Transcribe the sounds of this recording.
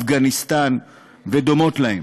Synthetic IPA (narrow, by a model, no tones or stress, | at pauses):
fɡanist̪an | ved̪o̞mo̞tlahḛm